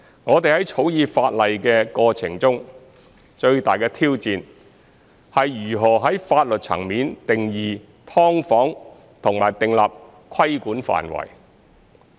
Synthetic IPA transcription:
ŋɔː˨˧t̪e˨jhɐ˨˥jt͡sʰo˨˥wjiː˨˧faː˧t̚lɐ˨jkɛː˧kɔː˧t͡sʰɪ̰˨˩ŋt͡sʊ˥ŋ | t͡ʃɵ˧ɥt̪aː˨jkɛː˧t̪ʰiː˥wt͡siː˨n | hɐ˨jːyː˨˩ɦɔː˨˩ɦɐ˨˥jfaː˧t̚lɵ˨t̚t͡sʰɐ̰˨˩ŋmiː˨˥nt̪ɪ˨ŋjiː˨ | t̪ʰɔː˥ŋfɔː˨˥ŋ | t̪ʰʊ˨˩ŋmaː˨˩jt̪ɪ˨ŋla̰ː˨p̚ | kʰɐ˥jkuː˨˥nfa̰ː˨˩nwɐ̰˨˩j

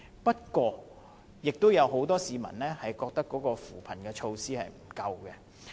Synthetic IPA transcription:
pɐ˥t̚kwɔː˧ | jɪ˨k̚t̪o˥wjɐ˨˧wɦo˨˥wt̪ɔː˥siː˨˧mɐ̰˨˩nlɛː˥hɐ˨jkɔː˧k̚t̪ɐ˥kːɔː˨˥kɔː˧fuː˨˩pʰɐ˨˩nkɛː˧t͡ʃʰo˧wsiː˥hɐ̰˨jm̩˨˩kɐ˧wkɛ˧

